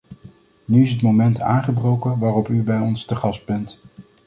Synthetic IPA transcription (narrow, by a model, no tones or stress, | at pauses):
nyɪs̬ɦətmowmɛntʰa̰ːŋχəbrowkənʋaːrɔpybɛjɔnstəχɑsd̚bɛnt